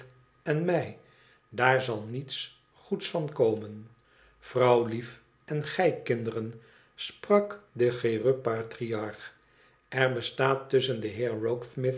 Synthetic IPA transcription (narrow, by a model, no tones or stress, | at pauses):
ɛnmɛj | daːɹzɑlˠnits | χutsfɑnkowmən | v̥rɑwlif | ʔɛnχɛjkɪndərən | sprɑkdəχerøpaːtriɑɹχ | ʔɛɹbəstaːtɵsəndəɦɪːɹrowksmɪθ